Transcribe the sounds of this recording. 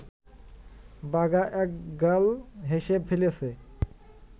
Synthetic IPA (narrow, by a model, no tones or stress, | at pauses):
baɡaʔɛk̚ɡəlɦeʃebfʰelesʰe